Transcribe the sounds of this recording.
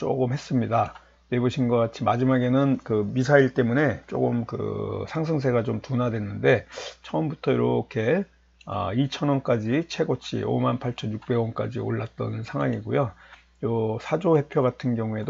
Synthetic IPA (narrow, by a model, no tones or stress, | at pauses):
t͡ɕo̰ɡɯmhe̞s͈ɯmɲida | ne̞boɕʰinɡʌk͈at͡ɕʰimad͡ʑimaɡe̞nɯnkɯmisʰaiɭt͈e̞mune̞t͡ɕ͈o̰ɡɯmkɯ̰sʰaŋs̬ʰɯŋs̬ʰe̞ɡat͡ɕomtunadwe̞nːɯnde̞t͡ɕʰʌːmbutʰʌiɾokʰe̞ | ʌ̰it͡ɕʰʌnwʌnk͈ad͡ʑit͡ɕʰe̞ɡot͡ɕʰḭo̰manpʰaɭt͡ɕʰʌnjuk̚p͈e̞wʌnk͈a̰d͡ʑḭo̰ɭːat̚t͈ʌ̰nsʰaŋwaŋiɡojo | jʌsʰad͡ʑohe̞pʰjoɡatʰɯnɡjʌŋue̞do